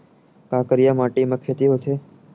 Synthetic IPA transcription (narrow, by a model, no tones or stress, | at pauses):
kaːkəɾijamaʈiməkʰːet̪iɦot̪ʰe